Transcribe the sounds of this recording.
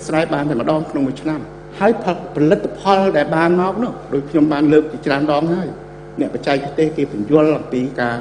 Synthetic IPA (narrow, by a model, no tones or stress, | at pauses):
sraɛjɓaːnt̪aɛməɗɑːŋkʰnoŋmuəjt͡ɕʰnam | haəjpʰpʰɑlɨt̪ʰːapʰɑlɗaɛlɓaːnmaɔk̚nʊ̆əhɗoːc̚kʰɲomɓaːnləːk̚t͡ɕiət͡ɕraənɗɑːŋɦaəj | nɛ̆əʔpʰac̚t͡ɕaɛk̚pʰt̪eːhkeːpuəɲjʊəlʔaŋpiːkaː